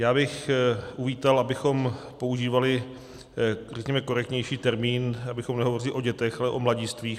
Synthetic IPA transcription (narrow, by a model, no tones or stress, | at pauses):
jaːbɪxʔuviːt̪alʔabɪxo̞mpo̞uʒiːvalɪ | rɛkɲɛmɛko̞ɾɛk̚t̪ɲɛjʃiːt̪ɛɾmiːnabɪxo̞mnɛɦovo̞rɪlɪʔo̞ɟɛt̪ɛxʔalɛʔo̞mlaɟiːst̪viːx